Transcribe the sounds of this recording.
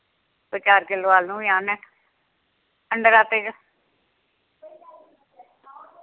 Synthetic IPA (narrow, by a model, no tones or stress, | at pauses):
bət͡ʃaːɾkɪlʋaːlnũːjaːnɛː | əɳɖəɾaːt̪eːɡa